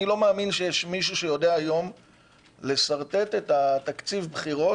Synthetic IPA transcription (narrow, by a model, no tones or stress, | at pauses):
ilo̞maːminʃejeʃmiʃ̬uʃejo̞deaːjo̞m | le̞saʁt̪e̞te̞t̪at̪akt͡sivbχiʁo̞